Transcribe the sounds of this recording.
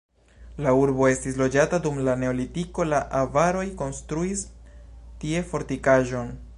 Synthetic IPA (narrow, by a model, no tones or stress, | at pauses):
lauɾbo̞e̞stislo̞d͡ʒatadumlane̞o̞litiko̞laʔavaɾo̞jko̞nstɾuis | tie̞fo̞ɾtikaʒo̞n